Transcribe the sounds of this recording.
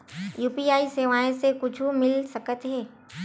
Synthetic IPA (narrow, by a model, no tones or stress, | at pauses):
juːpiaːiseʋaːẽsekʊt͡ʃʰumɪlsɐkət̪ɦɛː